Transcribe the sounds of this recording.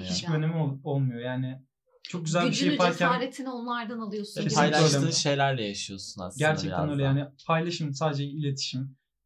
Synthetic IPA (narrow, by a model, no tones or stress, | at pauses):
hit͡ʃbiø̞ne̞mio̞lˠmujo̞jaːnɪ | t͡ʃʰo̞k̚ɟyzælʲbiʃejːpaaɾcʰænɾet̪ʰinonlˠaɾd̪analˠɯjosʰesijlˠølʲeɯːʃe̞jlʲæɾlʲɛjaʃɯjo̞suna̰ɟæɾt͡ʃʰɛkænølʲjaːnipʰajlˠaʃɯmsaːd̪ed͡ʒɛilʲet̪ʰi̥ʃim